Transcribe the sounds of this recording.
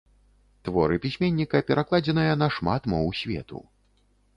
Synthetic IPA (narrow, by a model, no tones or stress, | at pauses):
t̪vɔɾɨpʲisʲmʲenʲːikɐpʲɛɾʔaklˠad͡zʲɛnɨjɐnɐʂmat̪mɔwusʲvʲɛ̰t̪ṵ